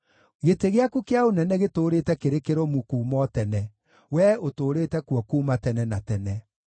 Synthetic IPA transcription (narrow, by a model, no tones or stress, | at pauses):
ɣeteɣeakukeaonɛnɛɣetoːɾetɛkeɾekeɾomukuːmɔtɛnɛ | wɛotoːɾeːtɛkwɔkuːmatɛnɛnatɛnɛ